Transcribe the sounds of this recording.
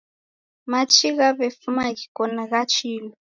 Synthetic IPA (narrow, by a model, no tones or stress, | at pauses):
mat͡ʃʰʼiɣaβefumaɣikʰʼɔnaɣat͡ʃʰiːlɔ